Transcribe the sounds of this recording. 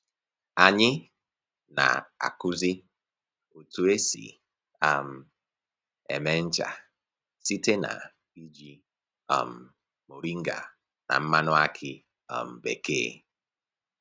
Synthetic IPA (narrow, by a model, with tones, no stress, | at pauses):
a˨ɲɪ˦ | na̰˨a̰˨kʊ˦zi˦ | o˨tu˨e˦sḭ˨ | a˨m̩˨ | ḛ˨me˦n̩˦t͡ʃa̰˨ | si˦te˦na̰˨ | pi˦d͡ʒi˨ | a̰˨m̩˨ | mo˨ɾi˦ŋ̩˦ɡa˨ | na̰˨m̩˦ma˦nʊ˦a˦kʰɪ˦ | a̰˨m̩˨be˨kḛː˦